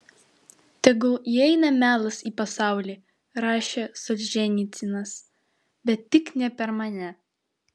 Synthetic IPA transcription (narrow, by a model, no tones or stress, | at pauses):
t̪ɐɡʊjiɛɪnɐmʲæːlˠɐsiːpɐsɑˑʊlʲiː | ɾɑːʃʲeːsɔlʲʒʲɛnʲit̪sʲɪnɐs | bʲɛt̪ʲtːʲɪknʲɛpʲɛɾmɐnʲɛ